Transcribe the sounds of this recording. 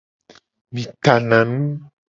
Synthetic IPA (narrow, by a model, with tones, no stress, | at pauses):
mĩ˨t̪a˨nã˨nũ˦